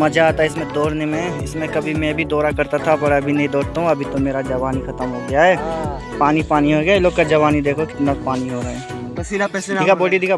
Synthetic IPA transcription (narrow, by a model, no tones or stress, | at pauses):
mɐd͡ʒʱaːt̪aɪsmẽd̪ɔːɽnemẽɪsmẽkɐbʱimẽbʱid̪ɔːɾakɐɾt̪at̪ʰapɐɽɐbʱinɐɦĩd̪ɔːɽt̪aɦũɐbʱit̪omeːɾad͡ʒɐʋaːnixɐt̪əmɦoːɡjaɦɛː | paːnipaːniɦoɡjaloːɡ̚kad͡ʒɐʋaːnid̪eːkʰokɪ̥t̪napaːniɦoːɾɐɦɛ | iaɛsikʰaboːʈid̪ʱiːkʰa